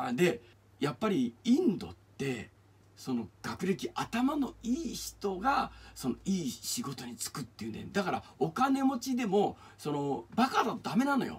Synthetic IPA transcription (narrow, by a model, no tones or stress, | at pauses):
ad̪e̞ | japːaɾʲiĩnd̪o̞̰t̪ːe̞ | so̞no̞ɡ̥akɯ̟ɾe̞kʲiʔat̪amano̞iːçi̥t̪o̞ɡaso̞no̞iːɕiɡo̞t̪o̞ɲ̟it͡sɨ̥kɯ̟t̪ːe̞jiɯ̟nd̪ḛed̪akaɾa̰okane̞mo̞t͡ɕid̪e̞mo̞ | so̞no̞bakad̪ad̪ame̞nãno̞̰jo̰